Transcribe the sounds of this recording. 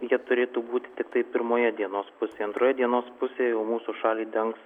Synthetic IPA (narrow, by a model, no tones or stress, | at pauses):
jiɛt̪ʊɾʲeːt̪uːbuːt̪ʲɪ̥t̪ʲɪkt̪ɐɪpʲɪɾmoːjɛd̪ʲiɛnoːspʊsʲeːɐnt̪ɾoːjɛd̪ʲiɛnoːspʊsʲeːjɛʊmuːsuʃɑːlʲiːd̪ʲɛŋks